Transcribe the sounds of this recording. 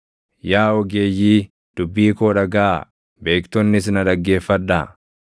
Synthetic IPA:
jaːɔɡeːjːiː | d̪̥ʊbːiːkoːᶑɐɡaː | be̞ːkt̪ɔnːɪs̬ɪnɐᶑ̪ɐɡːe̞ːfːɐᶑːaː

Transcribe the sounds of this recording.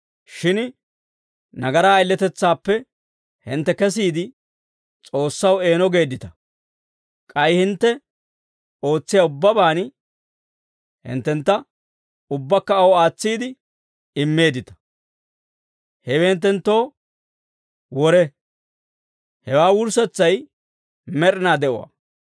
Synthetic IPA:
ʃɪn | nɐɡɐɾaːjlːɛt̪ɛt͡sːaːpːɛ | hɪ̰nt̪ːɛkɛs̬iːd̪ɪ | t͡sʼo̞ːsːɐwe̞ːnɔɡe̞ːd̪ɪt̪ɐ̥ | kʼɐjhɪnt̪ːɛ | o̞ːt͡sːɪjɐʊbːɐbaːn | hɪ̰nt̪ːɛnt̪ːɐ | ʊbːɐkːɐːwɔaːt͡sːiːd̪ɪ | ɪmːe̞ːd̪ɪt̪ɐ̥ | hɛweːnt̪ːɛnt̪ːo̞ː | wɔɾɛ | hɛwaːwʊɾsɛt͡sːɐj | mɛɾɪnaːd̪ɛʔɔwa̰

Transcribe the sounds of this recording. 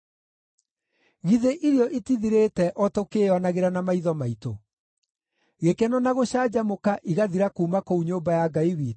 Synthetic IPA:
ɣiðeʔiɾjɔʔitiðiɾetɛʔɔtokeɔnaɣeɾanamaiðɔmaito | ɣekɛnɔnaɣoɕaːd͡ʑamokaʔiɣaðiɾakuːmakouɲoːmbajaɡaiwiː

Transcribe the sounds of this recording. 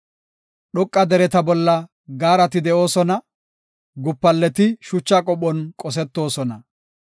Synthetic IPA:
ɗɔkʼːɐd̪ɛɾɛt̪ɐbɔlːɐ | ɡaːɾɐt̪ɪd̪ɛʔo̞ːsɔnɐ | ɡʊpːɐlːɛt̪ɪʃʊt͡ʃːakʼɔpːɔnkʼɔs̬ɛt̪ːo̞ːsɔnɐ

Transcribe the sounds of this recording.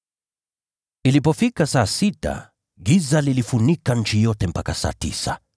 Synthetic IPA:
ilipɔfikasaːsita̰ | ɡizalilifunikaɲ̩t͡ʃijɔtɛm̩pakasa̰ːtḭsa

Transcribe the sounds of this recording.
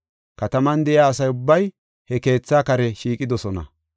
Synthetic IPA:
kɐt̪ɐmɐnd̪ɛʔɪaːsɐjʊbːɐj | hɛke̞ːt͡sːaːkɐɾɛʃiːkʼɪd̪ɔsɔnɐ̰

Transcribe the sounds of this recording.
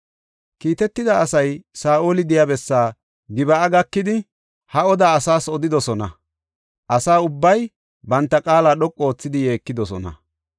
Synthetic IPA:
kiːt̪ɛt̪ːɪd̪aːsɐjsaːʔoːlɪd̪ɪjabɛsːaː | ɡɪbɐːɡɐkːɪd̪ɪ | hɐɔd̪aːsaːsɔd̪ɪd̪ɔsɔnɐ̰ | ʔɐsaːʊbːɐj | bɐnt̪ːɐkʼaːlaːɗɔkʼːo̞ːt͡sːɪd̪ɪje̞ːkːɪd̪ɔsɔ̰nɐ̰

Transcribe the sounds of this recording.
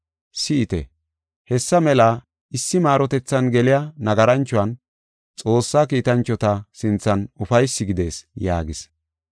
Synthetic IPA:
sɪːt̪ɛ̰ | hɛsːɐmɛla | ɪsːɪmaːɾɔt̪ɛt͡sːɐnɡɛlɪjɐnɐɡɐɾɐnt͡ʃːʊɐn | t͡sʼo̞ːsːaːkiːt̪ɐnt͡ʃːɔt̪ɐsɪnt͡sːɐnʊfɐjsːɪɡɪd̪e̞ːsja̰ːɡɪs

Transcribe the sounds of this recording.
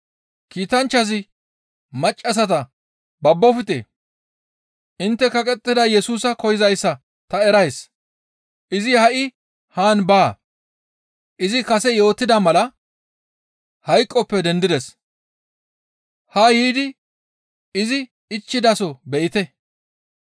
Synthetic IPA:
kiːt̪ɐnt͡ʃːɐzɪ | mɐt͡ʃʼːɐs̬ɐt̪ɐ | bɐbːɔfɪt̪ḛː | ʔɪnt̪ːɛkɐkʼɛt̪ʼːɪd̪ɐjɛsuːsɐkɔjɪzɐjsːɐ | t̪ɐɛɾɐjs | ʔɪzɪhɐʔɪ | haːnbaː | ʔɪzɪkɐsɛjo̞ːt̪ːɪd̪ɐmɐlɐ | hɐjkʼːɔpːɛd̪ɛnd̪ɪd̪ɛs | hɐjiːd̪ɪ | ɪzɪ | ɪt͡ʃːɪd̪ɐsɔbɛʔɪt̪ɛ

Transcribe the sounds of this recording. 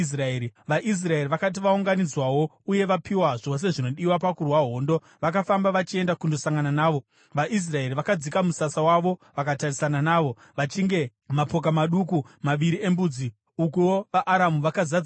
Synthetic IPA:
s̬raeːɾiʋaʔis̬rae̞riʋakat̬iʋauŋɡanid͡zwawo̞ | uje̞ʋapʰiwaʐo̞s̬e̞ʐino̞ɗiwapakurwaɦo̞ːndo̞ | ʋakafambaʋat͡ʃie̞ndakundo̞saŋɡananaːʋo̞ | ʋaʔis̬rae̞ɾiʋakad͡zikamusasawaʋo̞ʋakatarisananaːʋo̞ | ʋat͡ʃiŋɡe̞ | mapo̞k̬amaɗukumaʋiɾie̞mbuːd͡zi | ukuoʋaʔːɾamuʋakazad͡z

